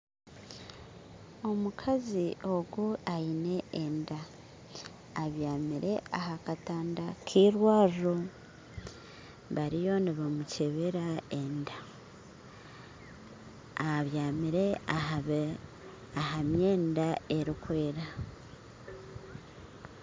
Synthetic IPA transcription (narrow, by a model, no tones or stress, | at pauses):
o̞mukʰazio̞ɡuaine̞enda | βjaːmiɾe̞aɦakataːndakʰiːɾwaːʒo | βaɾijo̞niβamuceβeɾaenda | βjaːmiɾe̞ | ahamje̞ːndae̞ɾikwe̞ːɾa